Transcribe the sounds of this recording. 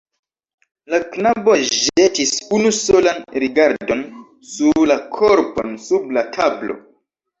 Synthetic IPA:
laknaboʒetisunuso̞lanɾiɡaɾdon | suɾlakʰoɾponsublatʰablo̞̰

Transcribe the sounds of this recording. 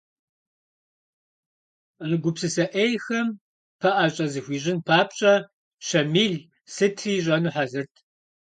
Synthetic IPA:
nɨɡʷʊpsɨsɐʔeːjxɐm | pʰɐʔɐɕʼɐzɨxʷiːʑʼɪnpʰaːpɕʼɐ | ɕɐmiːɮ | sɨtʰriːʑʼɐnuħazɨrtʰ

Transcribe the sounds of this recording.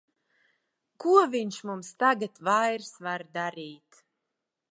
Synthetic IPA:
kuɔviɲʃmumst̪aɡat̪vajɾsvaɾd̪aɾiːt̪

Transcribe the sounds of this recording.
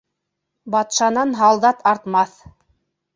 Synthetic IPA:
bɑt̪ʃɑnɑnɦɑlˠd̪ɑt̪ɑɾt̪mɑθ

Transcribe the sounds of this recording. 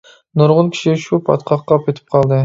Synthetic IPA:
noɾʁʊnkʲʰi̥ʃiʃupʰɑ̰t̪qʰɑqːɑp̚kʲet̪ʰɪ̥p̚qʰɑlˠd̪ɨ

